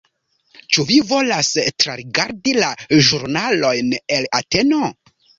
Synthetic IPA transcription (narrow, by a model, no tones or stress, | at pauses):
t͡ʃuvivo̞lastɾaɾiɡaɾdilaʒuɾnalo̞jne̞late̞no̞